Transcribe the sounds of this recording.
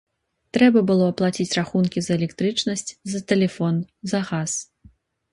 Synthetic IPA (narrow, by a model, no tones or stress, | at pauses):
t̪ɾɛbɐbɨlˠɔɐplˠat͡sʲit͡sʲraxunkʲizɐɛlʲɛkt̪ɾɨt͡ʂnɐsʲt͡sʲzɐt̪ɛlʲɛfɔnzɐɣas